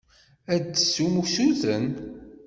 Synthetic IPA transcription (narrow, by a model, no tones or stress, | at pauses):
æd̪ːsumusuðən